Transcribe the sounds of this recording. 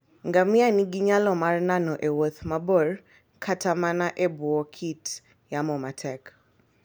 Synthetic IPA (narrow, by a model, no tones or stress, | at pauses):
ŋɡamianiɡiɲalɔmaɾnanɔʔɛwɔθmabɔɾ | kʰatʰamanaʔɛbuɔkʰit | jamɔmatʰɛk